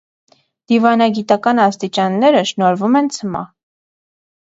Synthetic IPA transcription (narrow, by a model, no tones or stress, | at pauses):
d̪̥ivɑnɑɡit̪ɑkɑnɑst̪it͡ʃɑnːɛɾəʃnɔɾvumɛnt͡sʰəmɑ̰